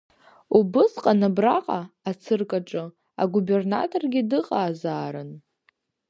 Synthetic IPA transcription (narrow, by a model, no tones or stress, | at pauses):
ubɨsqʼanabraqʼaat͡sʰɨrkʼaʈ͡ʂʼɨ | a̰ɡube̞rna̰tʼorɡʲɪdɨqʼaːzaːɾɨn